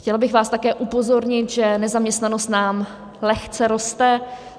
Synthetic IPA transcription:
xcɛlbɪxvaːst̪akɛːʔupo̞zo̞ɾɲɪt̪ʒɛnɛzamɲɛst̪nano̞st̪naːm | lɛxt͡sɛɾo̞st̪ɛ

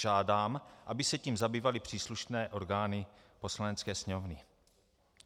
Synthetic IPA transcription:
ʒaːdaːmʔabɪsɛciːmzabiːvalɪpr̥iːsluʃnɛːʔo̞ɾɡaːnɪ | po̞slanɛt͡skɛːsɲɛmovnɪ

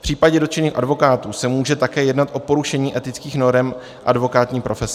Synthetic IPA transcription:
pr̝̥iːpaɟɛdot͡ʃɛniːxʔadvo̞kaːt̪uːsɛmuːʒɛt̪akɛːjɛdnat̪ʔo̞po̞ɾuʃɛɲiːʔɛt̪ɪt͡skiːxno̞ɾɛm | ʔadvo̞kaːt̪ɲiːpɾʔo̞fɛs

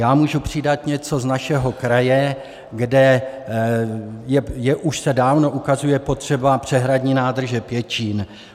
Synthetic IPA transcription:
jaːmuːʒupr̥ɪdat̪ɲɛt͡so̞znaʃɛɦo̞kɾajɛ | ɡdɛ | jɛjɛʔuʃsɛdaːvno̞ʔukazujɛpo̞t̪r̝̥ɛbapr̝̥ɛɦɾadɲiːnaːd̪r̩ʒɛpjɛt͡ʃiːn

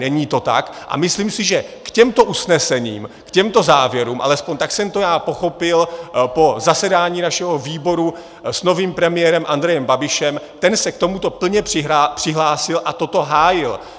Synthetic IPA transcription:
nɛɲiːt̪o̞t̪a̰kʔa̰mɪsliːmsɪʒɛkcɛmt̪o̞ʔusnɛsɛɲiːmkcɛmt̪o̞zaːvjɛɾuːmʔa̰lɛspo̞ɲt̪aksɛmt̪o̞jaːpo̞xo̞pɪlpo̞zasɛdaːɲiːnaʃɛɦo̞viːbo̞ɾu | sno̞viːmpɾɛmɪjɛɾɛmʔand̪ɾɛjɛmbabɪʃɛmt̪ɛnsɛk̚t̪o̞mut̪o̞pl̩ɲɛpr̝̥ɪɦapr̥ɪɦlaːsɪlʔat̪o̞t̪o̞ɦaːjɪl

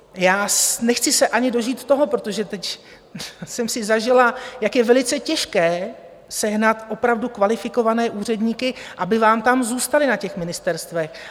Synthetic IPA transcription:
jaːsnɛxt͡sɪsɛʔaɲɪdo̞ʒiːt̪t̪ːo̞ɦo̞pɾot̪o̞ʒɛt̪ɛc | sɛmsɪzaʒɪlajakjɛvɛlɪt͡sɛcɛʃkɛː | sɛɦnat̪ʔo̞pɾavdukvalɪfɪko̞vanɛːʔuːr̝ɛdɲiːkɪʔabɪvaːmt̪amzuːst̪alɪnacɛxmɪnɪst̪ɛɾst̪vɛx

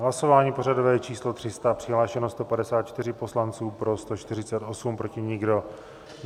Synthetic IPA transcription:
ɦlaso̞vaːɲiːpo̞ɾadovɛːt͡ʃiːslo̞t̪r̥ɪst̪apr̝̥ɪɦlaːʃɛnost̪o̞padɛsaːt̪̚t͡ʃt̪ɪrɪpo̞slant͡suːpɾo̞st̪o̞t͡ʃt̪ɪrɪt͡sɛt̪ʔo̞sumpɾo̞cɪɲɪɡdo̞

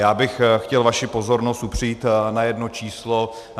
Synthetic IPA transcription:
jaːbɪxxcɛlvaʃɪpo̞zo̞ɾnost̪upr̝̥ɪjiːt̪najɛdno̞t͡ʃiːslo

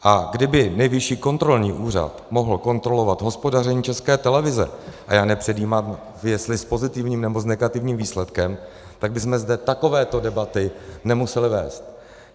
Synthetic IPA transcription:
ʔaɡdɪbɪnɛjvɪʃiːko̞nt̪ɾo̞lɲiːʔuːr̝a̰t̪mo̞ɦl̩ko̞nt̪ɾo̞lo̞vat̪ɦo̞spo̞darɛɲiːt͡ʃɛskɛːt̪ɛlɛvɪzɛ̰ʔa̰jaːnɛpr̥ɛdiːmaːm | vjɛst̪lɪspo̞zɪt̪ɪvɲiːmnɛbo̞znɛɡat̪ɪvɲiːmviːslɛt̪kɛm | t̪aɡ̚bɪsmɛzdɛt̪ako̞vɛːt̪o̞dɛbat̪ɪnɛmusɛlɪvɛ̰ːst̪

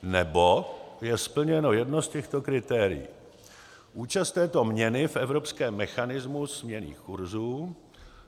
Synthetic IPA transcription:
nɛbojɛspl̩ɲɛno̞jɛdno̞scɛxt̪o̞kɾɪt̪ɛːɾɪ̰jḭː | ʔuːt͡ʃast̪ɛːt̪o̞mɲɛnɪfʔɛvɾopskɛːmːɛxanɪzmuzmɲɛnḭːxkuɾzuː

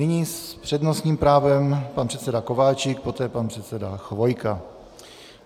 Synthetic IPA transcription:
nɪɲispr̥ɛdno̞sɲiːmpɾaːvɛmpanpr̥ɛt̪sɛdako̞vaːt͡ʃɪk̚po̞t̪ɛːpanpr̥ɛt̪sɛdaxvo̞jka

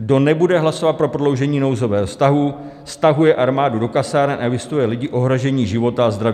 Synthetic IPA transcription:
ɡdo̞nɛbudɛɦlaso̞vat̪̚pɾopɾodlo̞wʒɛɲiːno̞wzo̞vɛːɦofst̪aɦu | fst̪aɦujɛʔaɾmaːdudo̞kasaːɾɛnʔaɛvɪst̪ujɛlɪɟɪʔo̞ɦɾoʒɛɲiːʒɪvo̞t̪aazd̪ɾaviː

